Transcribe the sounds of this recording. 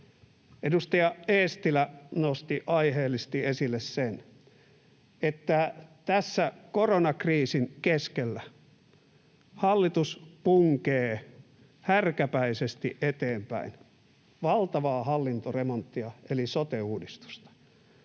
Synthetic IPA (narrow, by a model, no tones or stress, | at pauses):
edust̪ɑjɑeːst̪ilænost̪iʔɑiheːlːist̪iesilːessen | et̪ːæt̪æsːækoronɑkriːsiŋkeskelːæ | hɑlːit̪uspuŋkeː | hærkæpæisest̪ḭʔet̪eːmpæ̰in | ʋɑlt̪ɑʋɑːhɑlːint̪oremont̪ːiɑelisot̪euːdist̪u̥st̪ɑ̥